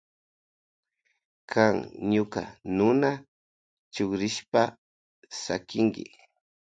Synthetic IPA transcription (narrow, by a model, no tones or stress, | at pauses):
kʰaŋɲʊka̰nʊna | t͡ʃʊkɾɪʃpa | sa̰kɪŋɡɪ̰